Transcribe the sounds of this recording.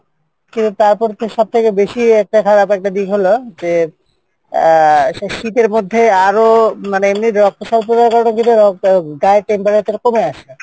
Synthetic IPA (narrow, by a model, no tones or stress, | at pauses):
kint̪ut̪aɾpɔɾt̪eʃɔb̚t̪ʰekebeʃiɛk̚ʈakʰaɾapɛk̚ʈad̪ikɦolod͡ʑe | ʃit̪eɾmod̪ʱːeaɾomaneemniɾɾɔk̚poʃalp̬ɾod͡ʑaɾkɔɾɽonkint̪uɾɔɡaeʈempaɾet̪eɾkomeaʃe